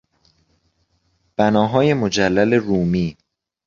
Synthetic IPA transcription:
b̥ænɒːɦɒːje̞mo̞d͡ʒælːæle̞ruːmiː

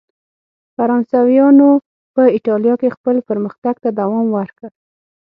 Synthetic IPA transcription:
faɾɑnsɑwijɑno | pəɪʈɑljɑkexpəlpəɾməxt̪aɡt̪ad̪awɑmwəɾkəɽ

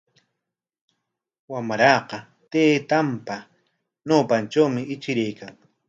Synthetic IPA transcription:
wamɾɑːqɑ | t̪eːt̪ampa | ɲowpant͡ʃawmɪɪt͡ʃɪɾajkʰaŋ

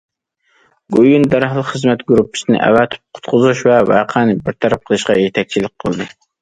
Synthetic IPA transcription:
ɡojund̪ɑɾɑɦlˠɨχəzmɛt̪ɡuɾupʰːɨ̥sɪnɪ̰ʔɛ̰wæt̪ʰɪ̥p̚qʰʊ̥t̪qʰʊzuʃvɛvæ̰qʰænɪbɪɾt̪ʰɑɾæp̚qʰəlˠɨʃqɑjet̪ʰɛk̚ʲt͡ʃʰilɪk̚ʲqʰəlˠd̪ɨ

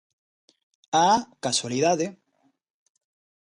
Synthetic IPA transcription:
akaswaliðaðe

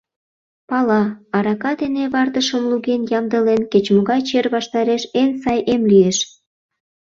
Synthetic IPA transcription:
pɑlɑɑɾɑkɑd̪eneβɑrt̪əʃəmluɣenjɑmd̪ə̆lenket͡ɕmoɣɑjt͡ɕerβɑʃt̪ɑɾeʃensɑjʔemlieʃ

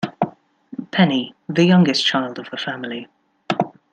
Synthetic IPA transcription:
pʰɛniðəjʌ̃ŋɡɪst͡ʃʰaɪlˠdəv̥əfamɪli

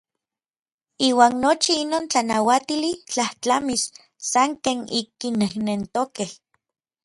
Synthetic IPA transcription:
iːwaːnːot͡ʃiinoːnt͡ɬanawat̪ilit͡ɬaht͡ɬamis | saŋkeːnikːinehnent̪okeh

